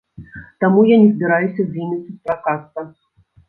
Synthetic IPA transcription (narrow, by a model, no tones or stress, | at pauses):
t̪amujanʲɛzbʲiɾajusʲɐzʲvʲimʲisʲisʲpɾakast̪ɐ